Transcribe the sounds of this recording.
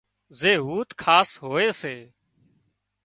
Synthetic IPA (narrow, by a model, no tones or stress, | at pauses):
zeːɦuːt̪kʰaːsɦoːeːseː